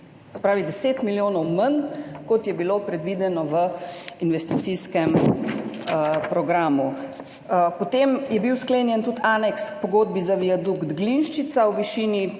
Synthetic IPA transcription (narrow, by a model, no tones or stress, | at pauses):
sɛ̥pɾaːʋid̪ɛseːt̪miljoːnɔwmənkɔt̪jɛbilopɾɛd̪ʋid̪ɛnɔʋəinʋɛst̪it̪siskɛm | pɾɔɡɾaːmu | pɔt̪emjɛbiwskleːnjɛnt̪ut̪ʰaːnɛkspɔɡoːd̪̚bizaʋiad̪uɡd̪ɡlinʃt͡ʃit̪sawʋiʃiːni